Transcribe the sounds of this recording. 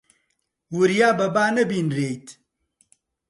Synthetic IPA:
wuɾjaːbɐbaːnɐbiːnɾeːjt̪

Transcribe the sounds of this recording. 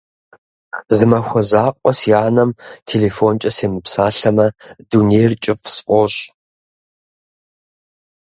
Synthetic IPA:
zɨmɐxʷɔzaːqʷʼɔsjaːnɐmtʰeːlefont͡ʃʼɐseːmɨpsaːɬɐmɐdunejrt͡ʃʼɪfsʔʷʼɔɕ

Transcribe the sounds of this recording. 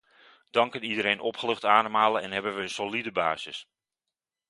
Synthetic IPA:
d̥ɑŋkənidəɾejnʔɔpχəlɵχtaːnəmaːləɛnɦɛbənʋəənsolidəba̰ːzə̰s

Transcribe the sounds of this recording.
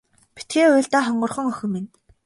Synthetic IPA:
pi̥t̪̚ɡeːʊːɮt̪aːχɔɴɢɞ̆rχɞ̆ŋœxʲɵ̆mːin

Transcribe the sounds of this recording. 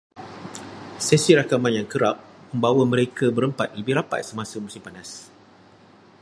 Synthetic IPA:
sesiɾakamãnjaŋkəɾap̚mə̃mbawamə̃ɾekabəɾəmpat̪̚libiɾapa̰t̪̚səmãsəmũsimpanas

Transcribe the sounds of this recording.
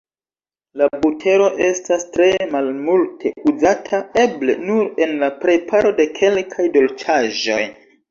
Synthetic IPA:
labutʰe̞ɾo̞ʔe̞stastɾe̞malmultʰe̞uzatʰae̞ble̞̰nuɾe̞nlapɾe̞pʰaɾo̞de̞kʰe̞lkʰajdo̞lt͡ʃʰaʒo̞̰j

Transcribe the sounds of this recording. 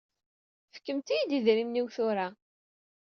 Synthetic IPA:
fə̥kːəmt̪ijd̪iðɾimniwθʊɾa

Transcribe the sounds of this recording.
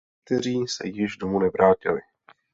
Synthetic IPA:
k̚t̪ɛɾ̝iːsɛ̰jɪʒdomunɛvɾaːcɪ̰lɪ

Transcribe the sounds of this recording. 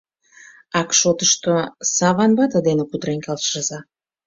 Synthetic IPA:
ɑkʃot̪əʃt̪osɑβɑnbɑt̪əd̪enekud̪ɾenkɑlʃʃəzɑ

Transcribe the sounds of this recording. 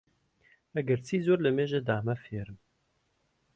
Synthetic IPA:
æɡəɾt͡sʰiːzuɾləmeʒəd̪aːmɐfeɾəm

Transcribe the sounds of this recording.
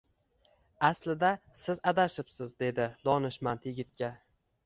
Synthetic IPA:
aslɪd̪asɪzad̪aʃɪpsɪzd̪e̞d̪ɪd̪ɒnɪʃmant̪jɪɡʲɪt̪̚kʲa

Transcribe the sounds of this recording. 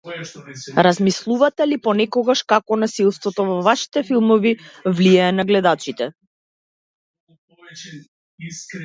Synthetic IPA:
ɾazmislˠuvat̪ɛlipɔnɛkɔɡaʃkakɔnasilˠst̪vɔt̪ɔvɔvaʃi̥t̪ɛfilˠmɔvivliaːnaɡlɛd̪at͡ʃit̪ɛ

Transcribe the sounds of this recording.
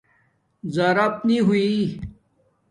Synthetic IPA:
zɐɾɐp̚niɦui

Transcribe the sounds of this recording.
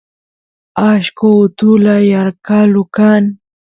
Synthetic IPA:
aʃkoʊt̪ʊlajaɾkalʊkan

